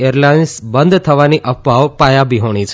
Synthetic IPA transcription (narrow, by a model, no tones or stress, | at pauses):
eɾlainsbənd̪t̪ʰəʋaniʔəpbʱaʋpajabiɦoɳ̃it͡ʃʰe